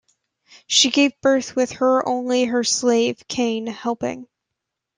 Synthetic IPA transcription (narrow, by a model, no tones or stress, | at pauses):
ʃiɡeɪvbɜ˞θwɪð̥ə˞ʔõ̰ʊ̃nliə˞sleɪv̥kʰẽɪ̃nhɛlˠpɪ̰̃ŋ